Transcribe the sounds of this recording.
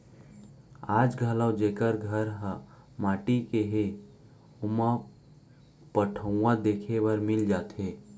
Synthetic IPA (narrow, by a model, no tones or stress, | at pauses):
aːd͡ʒɡʱəlawd͡ʒeːkəɾɡʱəɾɦə | maːʈikeɦe | omã | pəʈʰəũãd̪eːkʰewəɾmɪld͡ʒaːt̪ɦeː